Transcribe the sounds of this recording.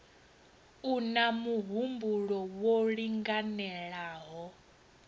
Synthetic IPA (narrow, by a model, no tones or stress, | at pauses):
unamuɦumbuɺɔwoɺiŋɡanɛɺaːɦɔ